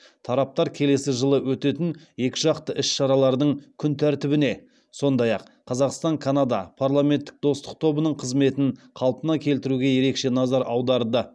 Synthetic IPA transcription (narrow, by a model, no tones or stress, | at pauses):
t̪ʰɑɾɑp̚t̪ɑɾkʲʰe̞le̞sɪʒəlˠəwɵt̪e̞t̪ɪnje̞kʲɪʒɑqt̪əʔɪsʃɑɾɑlˠɑɾd̪əɴkʲʰʏnt̪ʰæɾt̪ɪbɪne̞ | so̞nd̪ɑjɑq | qʰːɑzɑqst̪ɑŋkʰanad̪ɑ̰pʰaɾlˠame̞nt̪ːɪk̚d̪o̞st̪ə̥q̚t̪ʰo̞bənəɴqʰəzme̞t̪ɪnqʰɑlˠpənɑkʲʰe̞lt̪ɪɾuɡʲe̞je̞ɾe̞kʃe̞nɑzɑɾɑwd̪ɑɾd̪ə